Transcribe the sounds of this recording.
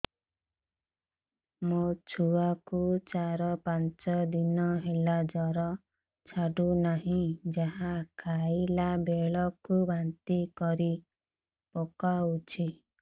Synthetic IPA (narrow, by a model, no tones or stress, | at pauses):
mot͡ʃʰuakut͡ʃaɾɔpant͡ʃɔd̪inɔɦelad͡ʒɔɾɔ | t͡ʃʰaɖunaɦĩd͡ʒaɦãkʰailabeɭɔkubant̪ikɔɾi | pokaut͡ʃʰi